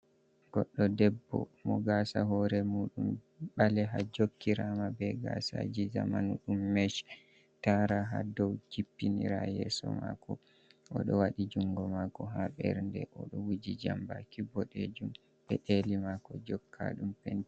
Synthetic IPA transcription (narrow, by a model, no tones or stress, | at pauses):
ɡ̥ɔɗːɔdɛbːɔ̰mɔɡasaɦɔɾɛmuːɗum | ɓalɛɦad͡ʒokːiɾamabɛɡasa̰d͡ʒizamanɗumːɛʃ | taɾaɦadɔwd͡ʒipːiniɾajɛsɔ̰ma̰kɔ | ʔɔɗɔwaɗid͡ʒuŋɡɔmakɔɦaɓɛɾndɛ̰ʔɔɗɔwud͡ʒid͡ʒambakibɔɗed͡ʒum | bɛʔelimakɔd͡ʒɔkʰːaɗumpɛnt